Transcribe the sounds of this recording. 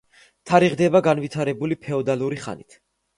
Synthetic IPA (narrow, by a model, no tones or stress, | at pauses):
t̪ʰaɾiʁd̪ɛbaɡanvit̪ʰaɾɛbulipʰɛɔd̪alˠuɾiχa̰nḭt̪ʰ